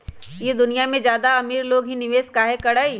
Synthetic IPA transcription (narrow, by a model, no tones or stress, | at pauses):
jed̪ʊnijamẽd͡ʒjaːd̪aɐmiːɾloːɡɦinɪʋeːskaːɦekɐɽai